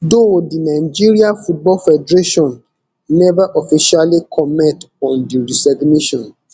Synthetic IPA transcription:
dodinaɪd͡ʒiɹiãfut̚bɔlfɛdɾeʃɔ̃n | nɛvaʔɔfiʃalikʰɔmɛt | ɔ̃ndiɹisɛɡniʃɔ̃n

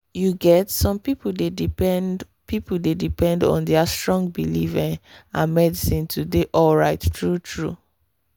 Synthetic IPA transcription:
juɡɛtsɔ̃mpipden | pʰipudedipɛ̃ndɔ̰̃ndɛastɹɔ̃ŋɡ̚bilivɛ̃nãnmɛdisĩntʰudeʔɔlɹaɪttɹutʰɹṵ

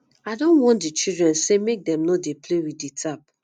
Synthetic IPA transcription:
adõnwɔ̃ntdit͡ʃidɹɛ̃nsemek̚dɛ̃mnɔ̃deplewiditʰap̚

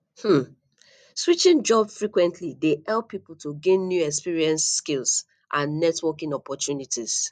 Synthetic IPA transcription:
hm̩ | swit͡ʃĩnd͡ʒɔbsfɹikwɛ̃ntʰlidehɛlˠpːipl̩ˠtuɡẽnːjuɛkspiɹiɛ̃nsːkilˠs | ʔãnːɛtwɔkĩŋɔpɔtʰjunitiz̥

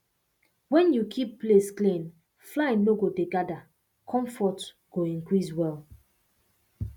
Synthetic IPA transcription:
wɛ̃njukʰipːlesklĩn | flãnːoɡodeɡada | kʰɔ̃ɱfɔt | ɡ̥oĩnkɹiswɛl

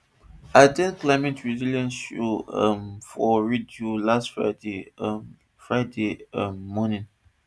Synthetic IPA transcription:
aɪtɛ̃nklaɪmɛtɹiziljɔ̃nsua̰mfɔɹidjulastfɹa̰de | fɹaɪdeammɔnĩn

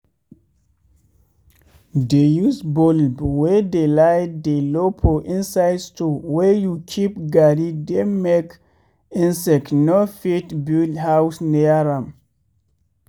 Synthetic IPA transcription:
dejusbolbwedelajddelopʰoʔĩnsajdstowɛjukʰipɡaɾidemek | ĩnsɛknofitbildhawsniaɾãm

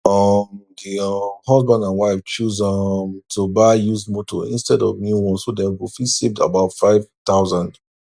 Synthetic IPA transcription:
ʌmdiʌmhʌzbãndãnwaɪft͡ʃuzʌmtʰubaɪjuzmotʰo̰ḭ̃nstɛdɔvmjuwɔ̃nsodɛ̃nɡufisep̚da̰baʊtfaɪv̥t̪aʊzãnd

